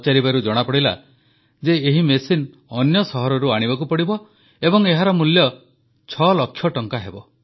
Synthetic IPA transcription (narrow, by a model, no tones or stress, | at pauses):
t͡ʃaɾibaɾud͡ʒɔɽ̃apɔɽila̰ | d͡ʒeeɦimesin | ɔnjɔsɔɦɔɾɔɾuaɽ̃ibakupɔɽibɔ | ebɔŋeɦaɾɔmuljɔ | t͡ʃʰɔlɔkʰːjɔʈɔŋkaɦebɔ